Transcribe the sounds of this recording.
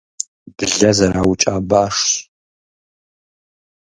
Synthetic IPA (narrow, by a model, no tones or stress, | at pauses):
b̥ɨɮɐzɐɾaːwt͡ʃʼaːbaːʂɕ